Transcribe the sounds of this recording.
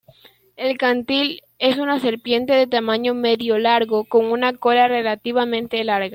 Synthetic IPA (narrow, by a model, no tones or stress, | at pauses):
e̞lkant̪il | e̞sunase̞ɾpje̞nt̪e̞ðe̞t̪amãɲo̞me̞ðjo̞laɾɣoko̞ŋunakolare̞lat̪iβamẽ̞nt̪e̞laɾɣa